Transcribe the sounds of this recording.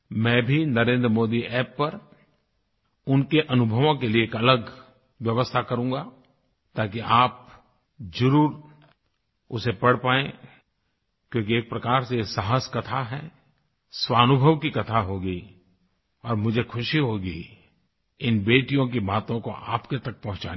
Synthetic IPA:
mɛ̃ːbʱinɐɾẽːnd̪ɾəmoːd̪iɛːpːɐɾ | ʊnkeʔɐnʊbʱəʋõkelieːkɐləɡ | ʋjɐʋəst̪ʰakɐɾũːɡa | t̪aːk̬iaːp̚ | d͡ʒɐɾuːɾ | ʊsepɐɽ̤paːẽ | kjõːk̬ieːk̚pɾɐkaːɾsesaɦəskɐt̪ʰaɦɛː | swaːnʊbʱəʋkikɐt̪ʰaɦoːɡəi | ɔːɾmʊd͡ʒʱekʰʊʃiɦoːɡi | ɪnbeːʈijõkibaːt̪õkoʔaːpket̪ɐk̚pɐ̃ɦʊ̃t͡ʃa̰ː

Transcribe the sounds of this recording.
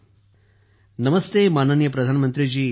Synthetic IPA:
nɐmɐst̪eːmaːnɐnjɐpɾɐd̪ʱaːnɐmɐnt̪ɾid͡ʒiː

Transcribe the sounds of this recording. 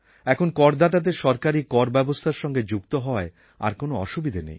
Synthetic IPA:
ɛkʰonkɔɾd̪ʱat̪ad̪eɾʃɔɾkaɾikɔɾbɛbost̪ʰaɾʃɔŋɡed͡ʑukt̪oɦɔae | a̰ɾkonoɔʃubid̪ʱanḛj

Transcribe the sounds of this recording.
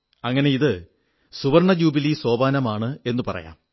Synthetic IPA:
ɐŋːɐne̞iðɨ | suʋɐrɳɐd͡ʑuːbiliso̞ːbaːnɐmaːɳɨe̞nːupɐrɐ̰ja̰ːm

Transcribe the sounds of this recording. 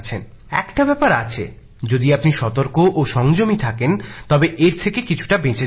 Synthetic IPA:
t͡ɕʰen | ɛkʈabɛpaɾa̰t͡ɕʰḛ | d͡ʑod̪iapniʃɔt̪oɾkoʔoʃɔŋd͡ʑomit̪ʰakent̪ɔbeʔeɾt̪ʰekekit͡ɕʰu̥ʈabẽt͡ɕe

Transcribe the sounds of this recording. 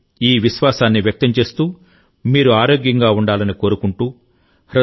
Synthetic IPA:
iːʋiʃʋaːsaːnːiʋjɐk̚t̪ɐɲt͡ʃe̞ːst̪uː | miːɾuaːɾoːɡjɐŋɡaːuɳɖaːlɐniko̞ːɾukuɳʈuː | ɾɐ

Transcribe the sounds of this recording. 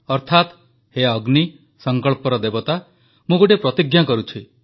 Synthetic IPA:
ɔɾt̪ʰat̪ | heɔɡni | sɔŋkɔɭpɔɾɔd̪ebɔt̪a | mũɡoʈepɾɔt̪iɡjakɔɾut͡ʃʰi

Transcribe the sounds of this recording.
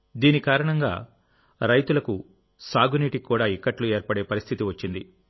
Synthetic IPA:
d̪iːnikaːɾɐɳɐŋɡa̰ː | ɾɐjt̪ulɐku | saːɡuniːʈikːuːɽaːikːɐʈlue̞ːɾpɐɽe̞ːpɐɾist̪ʰit̪iʋɐt͡ʃːind̪i

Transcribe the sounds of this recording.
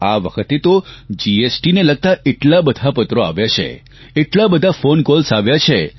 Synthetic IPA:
aʋəkʰət̪et̪od͡ʒiesʈineləɡ̚t̪aʔeʈlabəd̪ʱapət̪ɾoa̰ʋjat͡ʃʰḛ | eʈlabəd̪ʱafonkolsaʋjat͡ʃʰe

